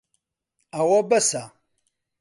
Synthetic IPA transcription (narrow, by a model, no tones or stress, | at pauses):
awabɐsa